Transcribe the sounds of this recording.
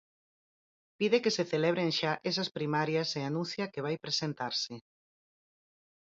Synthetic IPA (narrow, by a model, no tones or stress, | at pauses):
piðekeseθeleβ̞ɾeŋʃaʔɛs̬ɐspɾimaɾjɐseanũnθjɐkeβ̞ajpɾesent̪aɾsɪ